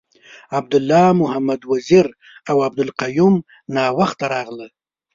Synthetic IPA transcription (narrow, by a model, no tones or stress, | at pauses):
ab̚d̪ʊlːɑmʊhamad̪waziɾ | awab̚d̪ʊlqajum | nɑwaxt̪aɾɑɣləl